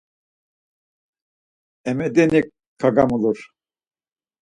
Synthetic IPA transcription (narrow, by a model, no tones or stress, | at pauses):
ɛmɛd̪ɛnikʰː | aɡamuluɾ